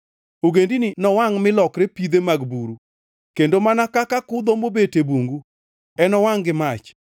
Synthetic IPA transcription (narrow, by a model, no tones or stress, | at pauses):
oɡendininɔwaŋmɪlɔkɾepid̪emaɡbuɾu | kendomanakakakʊd̪omobetebuŋɡu | ɛnɔwaŋɡɪmat͡ʃ